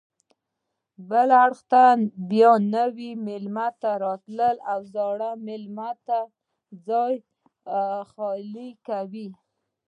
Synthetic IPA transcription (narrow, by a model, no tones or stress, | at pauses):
bəlaɽxt̪abjɑnawimɪlmat̪aɾɑt̪ləlawzɑɽamɪlmat̪a | d͡zɑj | xɑlikawi